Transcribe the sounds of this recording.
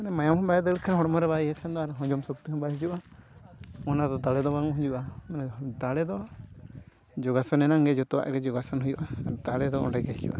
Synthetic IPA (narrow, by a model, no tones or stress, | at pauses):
manɛmajamhɔmbajɛd̪əɽkʰanɦɔɽɔmɔɾɛβaiɛkʰand̪ɔaɾɛɦɔ̃ɲd͡ʒɔmsɔk̚t̪iɦɔbaɦid͡ʒuʔa | ɔnad̪ɔd̪alɛd̪ɔbaŋɔɦɔ̃d͡ʒuʔamɛnɛd̪alɛd̪ɔ | d͡ʒɔɡasɔnɛnaŋɡɛd͡ʒɔt̪uwa̰ʔɡɛd͡ʒɔɡasɔnɦujuʔaaɾd̪alɛd̪ɔɔ̰nɖɛɡɛɦid͡ʒṵʔa̰